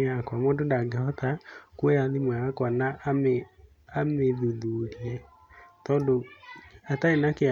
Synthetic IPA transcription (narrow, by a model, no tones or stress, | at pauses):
akwamɔndondaɡehɔtakwɛjaðimwaakwanaʔam | ameðuðuɾiɛ | tɔndoataenake